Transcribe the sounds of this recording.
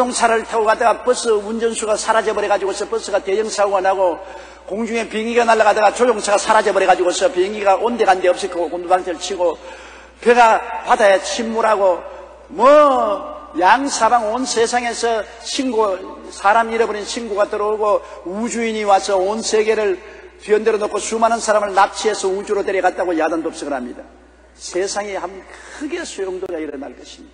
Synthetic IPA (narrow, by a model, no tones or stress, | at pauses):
oŋt͡ɕʰaɾɯɭtʰeɡoɣad̪aɡapɯs͈ɯund͡ʑʌnsʰuɡasʰaɾad͡ʑʌbʌɾeɣad͡ʑiɡosʰʌpɯs͈ɯɡat̪ejʌŋsʰauɡʌnɦaɡo | koŋd͡ʑuŋe̞piŋiɡanaɭːaɣad̪aɣat͡ɕod͡ʑoŋt͡ɕʰaɣasʰaɾad͡ʑʌbʌɾeɣad͡ʑiɡosʰʌpiŋiɡaʔond̪eɣand̪eʌp̚s͈ik͈ʰokondubaŋt͈eɯɭt͡ɕʰiɡo | peɡapadajat͡ɕʰimːuɾɦaɡo | mʌ | jaŋsʰabaŋonsʰesʰaŋe̞sʰʌ | t͡ɕʰinɡo | sʰaɾamiɾʌbʌɾint͡ɕʰinɡuɡatɯɾʌuɡo | ud͡ʑuiɲiwasʰʌonsʰeɡe̞ɾɯɭtɥiʌndeɾʌnokʰːosumanɯnsʰaɾamɯɭnap̚t͡ɕʰiɦe̞sʰʌud͡ʑuɾoteɾjiɡat̚t͈aɣojadandops͈ɯɡɯɾhamɲida | sʰesʰaŋihamkɯɡe̞sʰojoŋdoɡaiɾʌnaɭk͈ʌɕʰimid̥a